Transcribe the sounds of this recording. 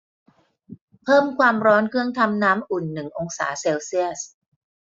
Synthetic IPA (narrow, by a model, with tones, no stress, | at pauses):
pʰɤː˥˩mkʰwaː˧mɾɔː˦˥nkʰɯ˥˩əŋt̪ʰa˧mnaː˦˥mʔu˨˩nːɯ˨˩ŋʔo˧ŋsa̰ː˩˦seː˧wsi˥˩əs